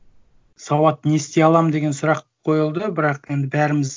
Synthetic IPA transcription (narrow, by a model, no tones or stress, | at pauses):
sɑwɑt̪ne̞st̪e̞ɑlˠɑmd̪e̞ɡʲe̞nsʊɾɑqʰːo̞jəlˠd̪əbɪɾɑqe̞nd̪ɪbæɾɪmɪz